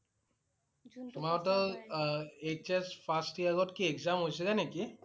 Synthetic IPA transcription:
tʊmaɔtɔ | et͡ʃespʰastiaɡɔtkiɛkzamɦojsɛzaneki

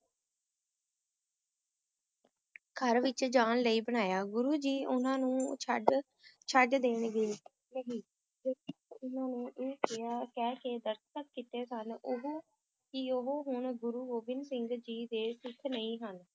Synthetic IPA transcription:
kʰəɾʋɪt͡ʃd͡ʒaːnləiːbəɽ̃aːjaːɡʊɾuːd͡ʒiːʔʊnãːnũːt͡ʃʰəɖ | t͡ʃʰəɖd̪eːɳɡəiː | nəɦiː | d͡ʒeːkːʊnãːnũːʔeːkʰeːaːkɛːkeːd̪əɾst̪ək̚kit̪eːsənʊɦoː | kɪoɦoːɦʊɳɡʊɾuːɡoːbɪnsɪŋɡd͡ʒiːd̪eːsɪkʰnəĩːɦən

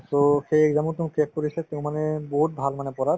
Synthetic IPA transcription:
t̪oxejɛkzamũt̪ũkɛkːoɾisɛt̪eʊ̃mːanɛboɦut̪̚bʱalmanɛpɔɾaɾ

